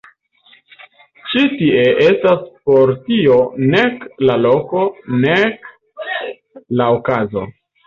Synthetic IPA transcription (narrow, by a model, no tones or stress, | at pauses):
t͡ʃitie̞ʔe̞staspo̞ɾtione̞klalo̞ko̞nek | laokazo̞̰